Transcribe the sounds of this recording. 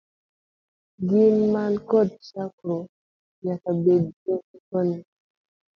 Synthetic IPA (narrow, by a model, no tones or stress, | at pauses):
ɡimːankɔd̚ʃakɾo | ɲakabed̚ɡiikɔni